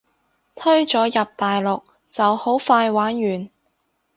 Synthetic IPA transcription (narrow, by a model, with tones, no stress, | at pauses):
t̪ʰɵ˥ɥt͡sɔː˨˥jɐ˨p̚t̪aː˨jlʊ˨k̚ | t͡sɐ˨who˨˥wfaː˧jwaː˨˥njyː˨˩n